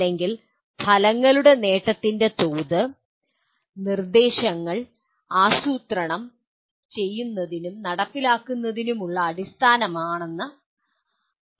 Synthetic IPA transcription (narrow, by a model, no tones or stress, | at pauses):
e̞ŋɡil | pʰɐlɐŋːɐluɽene̞ːʈːɐt̪ːinde̞t̪oːðɨ | nird̪e̞ːɕɐŋːɐɭ | aːsuːt̪rɐɳɐm | t͡ɕe̞jːunːɐðinumnɐɽɐpːilaːkːunːɐðinumuɭːɐːɽist̪ʰaːnɐmaːɳenːɐ